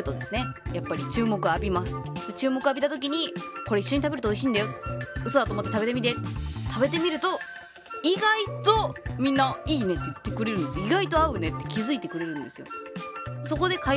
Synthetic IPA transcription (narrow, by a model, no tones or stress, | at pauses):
ɯ̟t̪od̪e̞sɨne̞japːaɾʲit͡ɕɨːmo̞kɯ̟aːbʲimasɨ̥d̥̪e̞t͡ɕɨːmo̞kɯ̟abʲit̪at̪ok̬ʲiɲ̟iko̞ɾe̞iɕːo̞ɲ̟it̪abe̞ɾɯ̟t̪ooiɕ̬iːnd̪ajot̪ɯso̞d̪at̪oːmot̪ːet̪abe̞t̪̬e̞mit̪̬et̪t̪ʰabe̞t̪e̞mʲiɾɯ̟t̪o̞ | iɡait̪o̞mʲĩnːaiːne̞t̪ːe̞it̪ːe̞kɯ̟ɾe̞ɾɯ̃nd̪e̞sɨjoiɡait̪o̞aɯ̟ne̞t̪ːe̞̥kʲizɨit̪e̞kɯ̟ɾe̞ɾɯ̟̃nd̪e̞sɨjo̰ | so̞ko̞d̪e̞ka